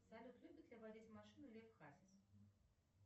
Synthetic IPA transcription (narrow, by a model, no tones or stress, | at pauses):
salʲut̪lʲubʲit̪d̪ʲlʲɐvad͡zʲit͡sʲmaʂɨnulʲɛfxazʲis